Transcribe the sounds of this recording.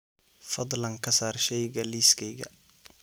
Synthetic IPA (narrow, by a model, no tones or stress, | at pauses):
fɐd̪lɐŋkʰɐsaːrʃɛjɡɐliːskʰɛjɡɐ̰